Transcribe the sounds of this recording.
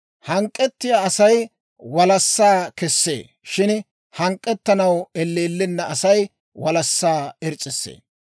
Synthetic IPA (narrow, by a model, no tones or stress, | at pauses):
hɐŋkʼːɛt̪ːɪjaːɐsɐj | wɐlɐsːaːkɛsːḛː | ʃɪn | hɐŋkʼːɛt̪ːɐnɐwɛlːeːlːɪnːɐʔɐsɐj | wɐlɐsːaːɛɾt͡sʼːɪsːḛː